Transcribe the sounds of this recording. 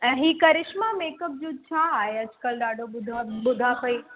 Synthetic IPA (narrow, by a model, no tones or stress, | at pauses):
ɛ̃ːɦiːkɐɾɪʃmameːkəp̚d͡ʑoːt͡ɕʰaːɦeɐd͡ʑʊ̥kəlɗaːɖʱoɓʊd̪ʱaɓʊd̪ʱapɐiː